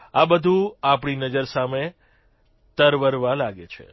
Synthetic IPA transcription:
abəd̪ʱũapɳinəd͡ʒəɾsame | t̪əɾʋəɾʋalaɡet͡ʃʰḛ

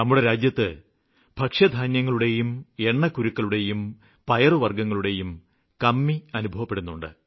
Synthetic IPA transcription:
nɐmːuɽe̞ɾaːd͡ʑjɐt̪ːɨ | b̥ʱɐkʂɐd̪ʱaːnjɐŋːɐɭuɽe̞jume̞ɳːɐkːuɾukːɐɭuɽe̞jum | pɐjɐrɨʋɐrɡɐŋːɐɭuɽe̞jum | kɐmːiɐnubʱɐʋɐpːe̞ɽunːuɳɖɨ̰

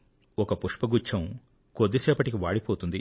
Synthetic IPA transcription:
ɔkɐpuʂpɐɡut͡ʃʰːɐm | kod̪ːisɛːpɐʈik̬iʋaːɽipoːt̪und̪i

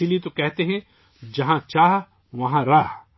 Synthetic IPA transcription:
iliet̪okɛɦt̪eɦɛ̃ | d͡ʒɐɦãt͡ʃaːɦ | ʋɐɦãɾaː

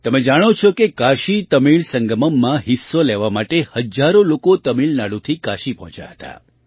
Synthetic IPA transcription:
t̪əmed͡ʒaɽ̃ot͡ʃʰɔkekaʃit̪əmiɭsəŋɡəməmːãɦisːoleʋamaʈehəd͡ʒaɾolokot̪əmiɭnaɽut̪ʰikaʃipəɦɔ̃t͡ʃja̰ɦət̪a̰

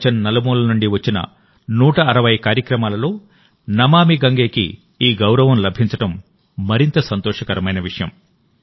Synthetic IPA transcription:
t͡ʃɐnːɐlɐmuːlɐnuɳɖiʋɐt͡ʃːinɐ̰ | nuːʈɐːɾɐʋɐjkaːɾjɐkɾɐmaːlɐlo̞ː | nɐmaːmiɡɐŋɡe̞ːkḭ | iːɡɐwɾɐʋɐmlɐbʱiɲt͡ʃɐʈɐmː | ɐɾint̪ɐsɐnt̪ɔːʂɐkɐɾɐmɐjnɐʋiʂɐjɐ̰m

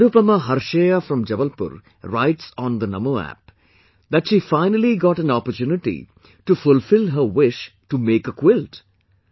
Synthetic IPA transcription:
ɐɾupəməɦɐɾʃeːjafɾɔ̃md͡ʒɐʋəlpʊ̰ɾ | ɾa̰ɪʈsɔ̃nd̪ənɐ̰moæ̰p̚ | d̪æʈʃiːfãɪnəliɡɔːʈæ̃nɔpəɾt͡ʃuːnɪʈḭ | ʈufʊlfɪlɦəɾʋɪʃʈumeːkəkwɪlt

